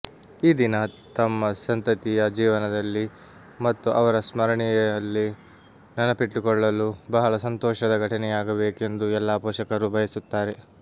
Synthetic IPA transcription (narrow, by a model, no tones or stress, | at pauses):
iːd̪inɐt̪ɐmːɐsɐnt̪ɐt̪ijɐd͡ʒiːʋɐnɐd̪ɐlːi | mɐt̪ːuʔɐʋɐɾɐsmɐɾɐɳijɐjɐlːi | nɐnɐpiʈːukɔɭːɐlubɐɦɐɭɐsɐnt̪ɔːʂɐd̪ɐɡʱɐʈinɛjaːɡɐbe̞ːke̞nd̪uɛlːaːpɔːʃɐkɐɾubʱɐjɐsut̪ːaːɾe̞